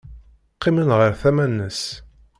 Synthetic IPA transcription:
qːimənʁəɾθæmænːəs

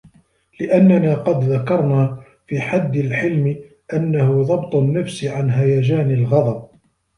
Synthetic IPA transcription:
lɪʔanːanaːqɑd̪ðakɑɾˤnaː | fiːħad̪ːɪlħɪlmɪ | ʔanːahʊðˤɑbt̪ˤʊnːafsʕanɦajaːd͡ʒaːnɪlɣɑd̪ˤɑb̚

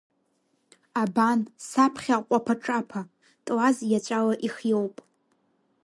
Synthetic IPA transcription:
abansapʰχʲaqʷʼapʰaʈ͡ʂʼapʰa | tʼwazjat͡ʃʷʼalaʔiχjowpʼ

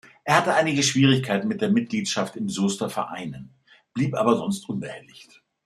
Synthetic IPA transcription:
ʔeːɐhatəʔaɪnɪɡəʃv̥iːʁ̞ɪçkʰaɪtn̩mɪt̚d̥eːɐmɪt̚ɡ̥liːtʃaftɪmzoːstɐfɛ̰ɐʔa̰ɪnən | b̥liːpʔa̰ːbɐzɔnstʔʊnbəhɛlɪçt

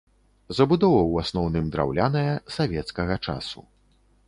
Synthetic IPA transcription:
zɐbud̪ɔvɐwasnɔwnɨmd̪ɾa̰wlʲanɐjɐsavʲɛt̪skɐɣɐt͡ʂa̰sṵ

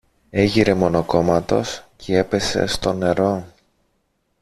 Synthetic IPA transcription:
e̞ʝiɾe̞mo̞no̞ko̞mɐt̪o̞scʰee̞pe̞se̞̰st̪o̞ne̞ɾo̞

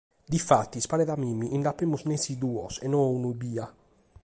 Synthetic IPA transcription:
d̪ifat̪ːispanɛðamimːiʔind̪apːemːuznesid̪uːɔ̰sɛnɔunuibiːa

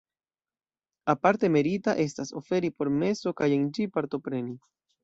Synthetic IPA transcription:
apaɾte̞me̞ɾitaʔe̞s̬taso̞̰fe̞ɾipo̞ɾme̞so̞kaje̞nd͡ʒipaɾto̞pɾe̞ni

